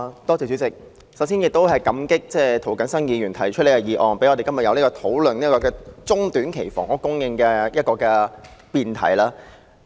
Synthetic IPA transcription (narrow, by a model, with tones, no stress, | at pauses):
t̪ɔː˥t͡sɛː˨˩t͡ʃy˨˥t͡sɪ˨k̚ | sɐ˨˥wsiː˥njɪ˨k̚t̪o˥whɐ˨jkɐ˨˥mkɪ˥k̚t͡sɛː˥˧t̪ʰo˨˩wkɐ˨˥nsɐ˥njiː˨˧jyː˨˩nt̪ʰɐ˨˩jt͡ʃʰɵ˥e˧˩jɐ˨jiː˨˧ʔɔː˨˩ŋpe˨˥jɔ˧te˨jkɐ˥mjɐ˨tjɐ˨˧wliː˥kɔː˧t̪ʰo˨˥wlɵ˨˩niː˥kɔː˧kɛː˧t͡sʊ˥ŋt̪yː˨˥nkʰe˨˩jfɔ̰ː˨˩ŋʔɔ˨˥kʊ˥ŋjɪ˧ŋkɛː˧jɐ˥t̚kɔː˧kɛ˧piː˨nt̪ʰɐ̰˨˩jlaː˥